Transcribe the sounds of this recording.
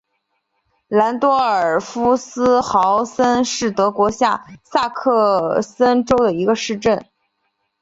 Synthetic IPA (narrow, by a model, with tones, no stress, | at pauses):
la˧˥nt̪wɔ˥ə˞˨˩fu˥sɹ̩˥xɑ˧˥ʊsə˥nʂɻ̩˥˩t̪ɤ˧˥kwɔ˧˥ɕja˥˩sa˥˧kʰɤ˥˩˧sə˥nʈ͡ʂo˥ʊd̪ə˨i˧˥ɡə˧ʂɻ̩˥˧ʈ͡ʂə˥˩n